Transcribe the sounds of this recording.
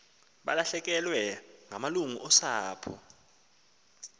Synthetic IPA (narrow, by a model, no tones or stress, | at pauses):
ɓa̰laɬɛk̬ʼɛlwɛŋʱamaluŋuʔɔsaːpʰɔ̰